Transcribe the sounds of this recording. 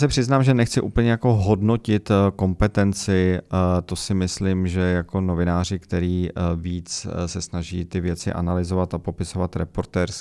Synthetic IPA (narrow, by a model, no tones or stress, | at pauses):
sɪpr̝̥ɪznaːmʒɛnɛxt͡sɪʔuːpl̩ɲɛjako̞ɦo̞dno̞cɪt̪ko̞mpɛt̪ɛnt͡sɪt̪o̞sɪmɪslimʒɛjako̞no̞vɪnaːr̝ɪkt̪ɛɾiːviːt͡ssɛsnaʒiːt̪ɪvjɛt͡sɪ̰ʔa̰nalɪzo̞vat̪apo̞pɪso̞vat̪ɾɛpo̞ɾt̪ɛːɾs